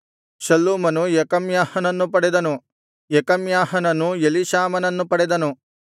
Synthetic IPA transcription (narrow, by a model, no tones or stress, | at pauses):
ʃɐlːuːmɐnujekɐmjaːhɐnɐnːupɐɽed̪ɐnu | jekɐmjaːhɐnɐnujeliʃaːmɐnɐnːupɐɽɛd̪ɐnu